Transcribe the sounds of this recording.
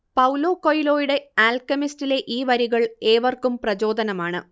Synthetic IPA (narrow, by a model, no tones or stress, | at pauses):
pɐwlo̞ːkojlo̞ːjuɽe̞aːlkɐmistile̞ʔiːʋɐɾiɣɐɭe̞ːʋɐrkumprɐt͡ɕo̞ːd̪ɐnɐmaːɳɨ̰